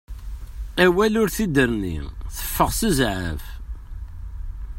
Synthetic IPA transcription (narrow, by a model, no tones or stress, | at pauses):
æwælʊɾθid̪əɾnḭθə̥fːəʁsəzʕə̰v